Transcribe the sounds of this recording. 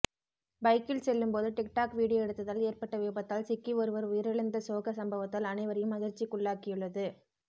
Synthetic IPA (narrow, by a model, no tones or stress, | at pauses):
bɐɪkːɪlsɛlːɯmpoːðɯʈɪk̚ʈaːkʋiːɽɪjɐɛɽɯt̪ːɐðaːleːɾpɐʈːɐʋeːbɐt̪ːaːlsɪkːiʋɔɾɯʋɐɾʊjɪɾɐɭɯnd̪ɐsoːɣɐsɐmbɐʋɐt̪ːalɐnɐɪʋɐɾɐjɯmɐɣɪɾt͡ʃːikːʊɭːaːkɪjɯɭːɐðɯ